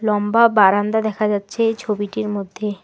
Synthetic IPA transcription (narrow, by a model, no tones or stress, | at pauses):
lɔmbabaɾand̪ad̪ɛkʰad͡ʑatːɕʰet͡ɕʰobiʈiɾmod̪ʱːe